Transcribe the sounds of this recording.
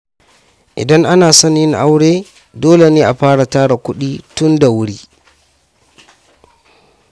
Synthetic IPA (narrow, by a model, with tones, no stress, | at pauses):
ʔɪ̰˨da˦ŋʔa˦naː˨sɔ˦njɪ˦ŋʔa˦wɽeː˦ | doː˦le˨neː˦ʔa˨ɸaː˦ɽa˨taː˦ɽa˨kʷʊ˦ɗiː˦tʊ˦nda˨wʊ˦ɽiː˦